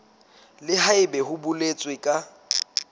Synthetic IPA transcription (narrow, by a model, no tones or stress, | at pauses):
lɪhaɪbɛhʊbʊlet͡sʼwɪkʼa